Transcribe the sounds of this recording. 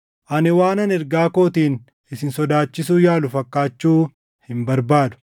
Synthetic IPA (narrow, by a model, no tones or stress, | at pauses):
ʔɐnɪwaːnɐnɛɾɡaːkoːt̪iːn | ɪsɪnsɔd̪aːt͡ʃːɪsuːjaːlʊfɐkːaːt͡ʃːuː | hɪmbɐɾbaːd̪ʊ̥